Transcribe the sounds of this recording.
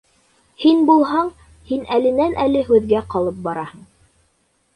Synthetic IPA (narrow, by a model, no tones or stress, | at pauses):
hinbulˠɦɑɴ | hinælɘ̆nænælɘɦʉðɡæqɑlˠɤp̚bɑɾɑhɤ̆ɴ